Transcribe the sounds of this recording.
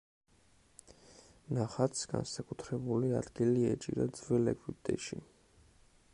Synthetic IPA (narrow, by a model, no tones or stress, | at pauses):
naχat̪sɡ̥a̰nsakʼut̪ʰɾɛbuliad̪ɡiliɛt͡ʃʼḭɾad̪zvɛlɛkʰwid̪ʼɛ̰ʃi